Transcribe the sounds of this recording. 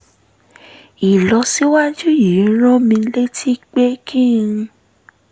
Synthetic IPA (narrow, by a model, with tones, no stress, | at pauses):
i˨lɔ˧si˦wa˦d͡ʒu˦ji˨˦ɾ̃ɔ̃˦mĩ˧˦le˦tʰi˦k͡pe˦kʰĩ˦˨˧